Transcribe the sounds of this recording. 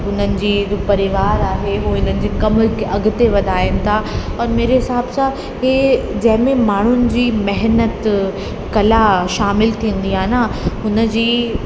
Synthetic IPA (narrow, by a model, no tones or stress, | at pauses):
ʊn̤ənɪ̆d͡ʑiːpɐɾɪʋaːɾaːɦeɦuːɪnənɪ̆d͡ʑiːkɐmkʔɐɡʱʊt̪eʋɐd̪ʱaːɪnɪ̆t̪ʰaɐɾmeːɾeɦɪsaːbsã | ɦeːd͡ʑɐ̃ɦɪ̃mẽmaːɳ̤ʊnɪ̆d͡ʑiːmɛɦnət̪ | kɐlaʃaːmɪlt̪ʰĩːə̃n̆d̪iaːɪnaʊnə̆d͡ʑiː